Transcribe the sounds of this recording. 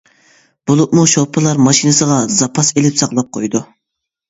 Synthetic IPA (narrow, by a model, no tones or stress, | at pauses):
b̥olˠʊpmuʃopʰɨlˠɑɾmɑʃinɨsəʁɑzɑpʰɑselɪpsɑqlˠɑp̚qʰojd̪u